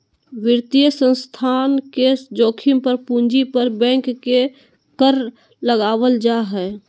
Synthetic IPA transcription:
ʋɪɾt̪ijəsə̃nst̪ʰanked͡ʒoːkʰimpəɾpũnd͡ʒipəɾbɛ̃ːŋkːe | kəɾ | ləɡaːʋəld͡ʒaɦɛː

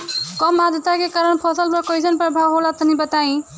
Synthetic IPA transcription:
kɔmad̪ət̪akekaɾəɳpʰɔsəlbɔkɔjsənpɾəbʱawɦɔlat̪ɔnibət̪aj̃

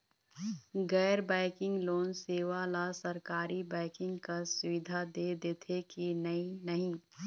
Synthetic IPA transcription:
ɡɛːɾbaːɪkɪ̃ŋɡloːnseːʋalasɐɾkaːɾibɛːɪkɪ̃ŋɡkasʊʋɪd̪ʱad̪eːd̪et̪ʰekinɐinəɦĩ

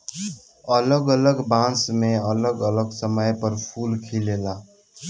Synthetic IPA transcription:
ələɡələɡbãsmeələɡələɡsəməjpəɾpʰulkʰilela

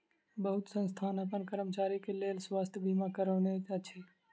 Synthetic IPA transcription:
bəɦʊt̪sə̃nst̪ʰaːnəpənkəɾəmt͡ʃaːɾikeleːlswaːst̪ʰjbʱimakəɾəːneat͡ʃʰe

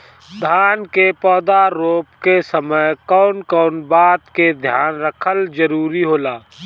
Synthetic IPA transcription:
d̪ʱaːnkepɔːd̪aɾoːpkesəməjkɔːʊnkɔːnbaːt̪ked̪ʱjaːnɾəkʰəld͡ʒəɾuːɾiɦoːlaː

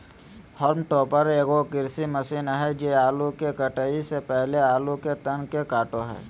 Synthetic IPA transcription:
hɔːɾmʈoːpəɾeːɡokɪɾsiməsiːnɦɛd͡ʒeːaːlukekəʈəisepɛɦleaːluket̪ənkekaːʈoɦɛ̰ː

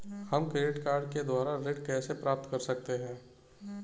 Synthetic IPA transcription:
hɐmkɾeːʈkaːɾɖ̚ked̪waːɾaɾeɖkɛːsepɾaːp̚t̪kɐɾsɐk̚t̪eɦɛ̃ː

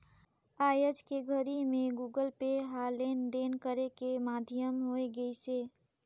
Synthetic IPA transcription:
ajəd͡ʒkeɡʱəɾimeɡuɡəlpeɦalend̪enkəɾekemad̪ʱijəmɦojɡəise

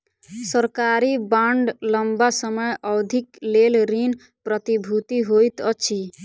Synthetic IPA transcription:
səɾkaɾibaɳɖləmbasəməjɔwd̪ʱiklelɾin | pɾət̪ibʱut̪iɦojt̪ʌt͡ʃʰi

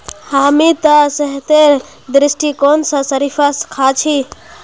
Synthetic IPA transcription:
haːmit̪asəɦt̪eɾ | d̪ɾɪsʈikoːnsãsəɾifʰaskʰat͡ʃʰi

